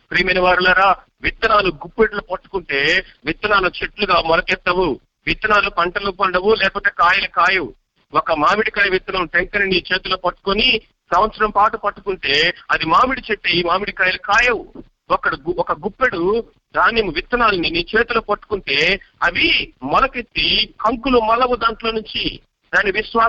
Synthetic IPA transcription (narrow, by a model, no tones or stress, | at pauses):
pɾiːmeniʋaːɾulaːɾaː | ʋit̪ːɐnaːluɡupːeɽulopɐʈːu̥kuɳʈe̞ːʋit̪ːɐnaːlut͡ʃeʈluɡaːmɔlɐkɛt̪ːɐʋu | ʋit̪ːɐnaːlupɐɳʈɐlupɐɳɖɐwulɛːpɔːt̪eːkaːjɐlɐkaːjɐwu | wɔkɐmaːmiɽikaːjɐʋit̪ːɐnɐmʈeŋkɐniniːt͡ʃe̞ːt̪uloːpɐʈːu̥koni | sɐʋɐt̪sɐɾɐmpaːʈupɐʈːukuɳʈe̞ːɐd̪imaːmiɽit͡ʃeʈ̪ːeimaːmiɽikaːjɐlɐkaːjɐwu | ɔkːɐɽiɡɔkɐɡupːeɽu | d̪aːnemuʋit̪ːɐnaːlɐniniːt͡ʃe̞ːt̪uloːpɐʈːu̥kuɳʈe̞ːɐʋimɐlɐket̪ːikɐŋkulumɐlɐʋud̪aːɳʈlo̞ːnuɲt͡ʃi | d̪aːnːiʋiʃʋaː